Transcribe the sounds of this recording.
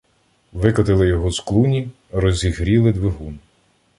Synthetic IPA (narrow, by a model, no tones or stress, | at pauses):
ʋɪkɐt̪ɪlˠɪjɔɦɔsklˠunʲi | ɾɔzʲiɦɾʲilˠɪd̪ʋɪɦun